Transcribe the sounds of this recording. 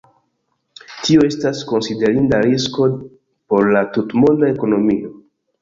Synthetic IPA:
tio̞e̞stasko̞nside̞ɾindaɾisko̞ | po̞ɾlatutmo̞ndae̞ko̞no̞mio̞

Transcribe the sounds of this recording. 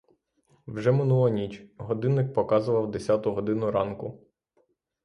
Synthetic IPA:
wʒɛmɪnulˠɐnʲit͡ʃʲɦɔd̪ɪnːɪk̚pɔkɑzʊʋɐwd̪esʲɑt̪ʊɦɔd̪ɪnʊɾɑnkʊ

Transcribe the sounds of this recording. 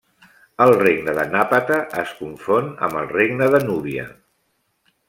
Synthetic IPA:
əlˠreɡnəðənapət̪əʔəskuɱfonə̰mbəlˠreɡnəðənuβiə̰

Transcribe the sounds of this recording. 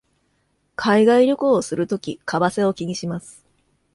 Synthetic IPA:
kʰaiɡaiɾʲo̞koːsɨɾɯ̟t̪o̞kʲikʰabase̞o̞kʲiɲ̟iɕimasɨ̥

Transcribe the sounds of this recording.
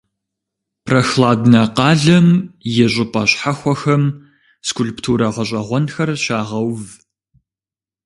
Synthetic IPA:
pʰrɐxlaːdnɐqɑːɮɐmjɛɕʷʼɪpʼɐɕħaxʷɔxɐm | skʰʷʊlptʰuːɾɐʁɐɕ̬ʷʼɐʁʷɔnxɐrɕaːʁɐwv

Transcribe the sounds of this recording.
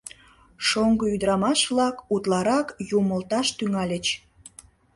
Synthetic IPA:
ʃoŋɡəyd̪ɾɑmɑʃβlɑkut̪lɑɾɑkjuməlt̪ɑʃt̪yŋɑlʲət͡ɕ

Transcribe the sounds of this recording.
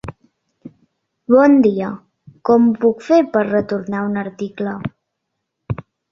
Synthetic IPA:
βɔnd̪iə | kɔmpukfepəɾrət̪uɾnaunəɾt̪iklə

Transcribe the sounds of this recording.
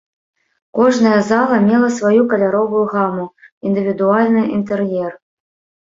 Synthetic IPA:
kɔʐnɐjɐzalˠɐmʲɛlˠɐsvajukɐlʲaɾɔvujuɣamuind̪ɨvʲid̪ualʲnɨʔint̪ɛrjɛr

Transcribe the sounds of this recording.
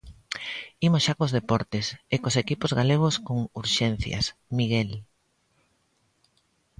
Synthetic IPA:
imosʃakozðepɔɾt̪esekosekipozɣaleɣ̞oskoŋuɾʃen̟θjɐ̰smiɣel

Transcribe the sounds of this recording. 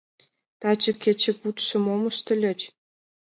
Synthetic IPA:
t̪ɑt͡ɕə̆kʲet͡ɕɘ̆kut̪ʃə̆momə̆ʃt̪ɘ̆lʲĕt͡ɕ

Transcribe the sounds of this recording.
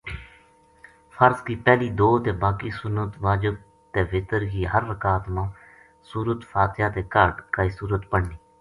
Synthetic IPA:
fʰəɾskiːpɛːliːd̪oːt̪eːbaːkiːsʊnːət̪ʋaːd͡ʒəb̚ | t̪eːʋɪt̪əɾɡiːɦəɾləkaːt̪mãː | suːɾət̪fʰaːt̪ɪjaːt̪eːkəɾɖkaːiːsuːɾət̪pəɽniː

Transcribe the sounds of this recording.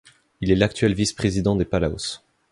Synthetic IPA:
ilɛlak̚t̪ɥɛlvispχezid̪ɑ̃d̪epalao̰s

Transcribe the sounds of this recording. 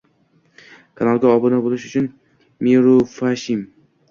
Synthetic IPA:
kʰanalˠɡʲaɒbɨnabolɪʃʊt͡ʃʰʊn | miɾufaʃɪm

